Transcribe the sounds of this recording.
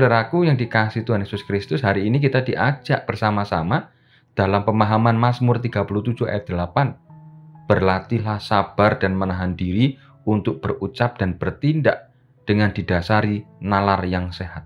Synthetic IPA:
daɾakujaŋdikasiht̪uɦanjesʊskɾist̪ʊsɦaɾiːnik̬it̪adiʔad͡ʒaʔb̥ərsamasama | d̥alampəmaɦamanmasmʊrt̪iɡ̥apulut̪ud̥d͡ʒ̥ua̰jɛt̪̚d̥̪əlapan | b̥ərlat̪ilahsab̥ardanmənaɦandiɾi | unt̪ʊk̚b̥ərut͡ʃap̚d̥anb̥ərt̪indaʔ | d̥əŋand̥id̥asaɾinalarjaŋseɦat̪̚

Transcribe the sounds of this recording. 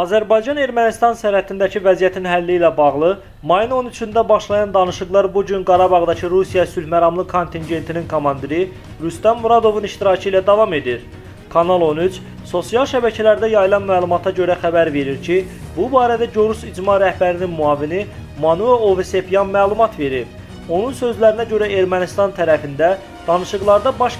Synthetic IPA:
ɑzæɾbɑjd͡ʒɑne̞ɾmænist̪ɑnsæɾhæt̪ʰind̪æcʰivæzijæt̪ʰinɦælːiːlæbɑʁlˠɯ | mɑjɯno̞nyt͡ʃʰynd̪æbɑʃlˠɑjɑnd̪ɑnɯʃɯɣlˠɑɾbuɟynɡɑɾɑbɑʁd̪ɑcʰɯɾusijɑsylhmæɾɑmlˠɯkʰo̞nt̪ʰinɟe̞nt̪ʰininkʰomɑnd̪iɾi | ɾyst̪ɑmːuɾɑd̪o̞vuniʃt̪iɾɑcʰɯiːlæd̪ɑvɑme̞d̪iɾ | kʰɑnɑlˠo̞nyt͡ʃ | so̞sijɑlˠʃæbæcʰælæɾd̪æjɑjɯlˠɑnmæːlˠumɑt̪ʰɑɟø̞ɾæxæbæɾve̞ɾiɾcʰi | bubɑːɾæd̪æɟoɾusid͡ʒmɑɾæhbæɾininmuɑːvini | mɑnueovese̞pjɑnmæːlˠumɑt̪ve̞ɾip | o̞nunsø̞zlæɾinæɟø̞ɾæe̞ɾmænist̪ɑnt̪ʰæɾæfind̪æ | d̪̥ɑnɯʃɯɣlˠɑɾd̪ɑbɑʃ

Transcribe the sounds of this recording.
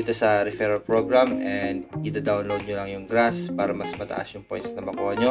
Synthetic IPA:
iːt̪osɐɾɛfɛɾɐpɹoɡɹamʔɛnd̪̚ʔɪd̪ad̪awnlowd̪̚ɲolɐŋjʊŋɡɾaspaːɾɐmɐsmɐt̪ɐ̰ʔa̰sjʊŋpojnsnɐbɐkoʔɐɲo

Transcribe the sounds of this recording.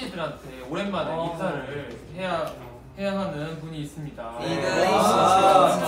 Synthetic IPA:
idɯɾantʰeoɾe̞nmanisʰaɾɯ | eja | hejaɦanɯnpuɲiːs͈ɯmɲida | a

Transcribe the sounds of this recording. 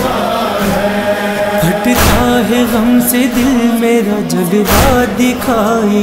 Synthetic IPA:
ɡʱɐʈt̪aɦɛɣɐmsed̪ɪlmeːɾad͡ʒɐɡbaːd̪ekʰai

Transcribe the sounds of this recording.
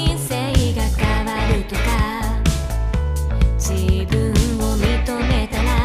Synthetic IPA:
iseiɡakaβaɾɯ̟t̪o̞ka | t͡ɕibɯ̃omit̪omet̪aɾa

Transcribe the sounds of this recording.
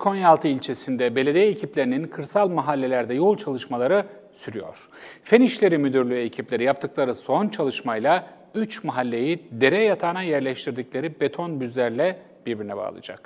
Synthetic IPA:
kʰo̞njalˠt̪ʰɯilʲt͡ʃʰe̞sind̪ɛbe̞lʲe̞d̪ijecʰiplʲeɾininkʰɯɾsalˠmaɦalʲːe̞lʲæɾd̪ɛjo̞lˠt͡ʃʰalˠɯʃmalˠaɾɯ | syɾyjo̞̰ɾ̥ | feniʃlʲe̞ɾimyd̪yɾlʲyecʰiplʲe̞ɾijap̚t̪ʰɯklˠaɾɯso̞nt͡ʃʰalˠɯʃmajlˠa | yt͡ʃmaɦalʲːe̞jid̪e̞ɾɛjat̪ʰaːnajɛɾlʲɛʃt̪ʰiɾd̪icʲlʲe̞ɾibe̞t̪ʰo̞nbyzlʲæɾlʲɛ | b̥iɾbiɾinɛba̰ːlˠɯ̰d͡ʒa̰k

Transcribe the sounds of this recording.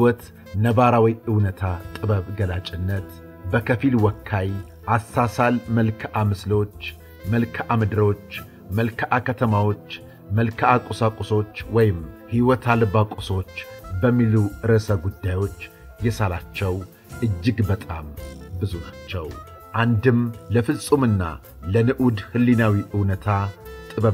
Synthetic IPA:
wɔt̪ | nəβaɾawiʔɨwnət̪ʰat̪ʼɨβəβɡəlat͡ʃʼɪnːət̪ | bəkʰəfilwɔkʰːaj | ʔasːasalməlkʰʔamɨslo̞t͡ʃː | məlkʰʔamɨd̪ɨɾo̞t͡ʃː | məlkʰəʔakʰət̪ʰəmawo̞t͡ʃː | məlkʰakʼʊsakʼuso̞t͡ʃːwɔjɪmhiwɔt̪ʰalɨβakʼuso̞t͡ʃːbəmːiluɨɾəsəɡud̪ːajo̞t͡ʃː | jɛsalat͡ʃːɛw | ʔɨd͡ʒːɨɡbət̪ʼa̰mbɨzunat͡ʃːɛw | ʔand̪ɨmləfɨlsʼumɨnːa̰ | lənɨʔud̪hɨlːinawiʔɨwnət̪ʰat̪ʼɨβə

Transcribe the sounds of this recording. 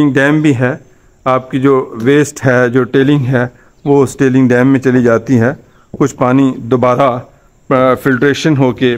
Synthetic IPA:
ɪ̃ŋɡɖɛːmbʱiɦɛː | aːp̚kid͡ʒoːʋeːsʈɦɛd͡ʒoːʈeːlɪ̃ŋɡɦɛː | ʋoɪsʈeːlɪ̃ŋɡɖɛ̃ːmːẽt͡ʃɐlid͡ʒaːt̪iɦɛː | kʊt͡ʃʰpaːnid̪obaːɾa | pɪlʈɾeːʃənɦoːke

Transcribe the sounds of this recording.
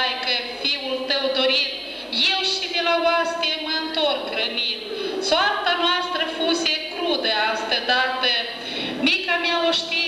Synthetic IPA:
jkəfiwult̪əwd̪oɾit̪̚ | jewʃid̪elavast̪eməɨnt̪oɾkɾənit̪soart̪anoast̪ɾəfusekɾud̪əast̪əd̪aɾt̪ə | mikamjaoʃt̪i

